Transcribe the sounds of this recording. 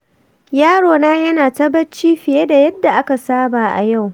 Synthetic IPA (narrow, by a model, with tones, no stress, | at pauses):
jaː˦ɽoː˨naː˦jɐ˦naː˨tɐ˦bɐ˦t͡ʃiː˦ɸɪ˨jeː˦da˨jɐ˦dːa˨ʔa˦ka˨saː˦baː˨ʔa̰˨ja˦˨w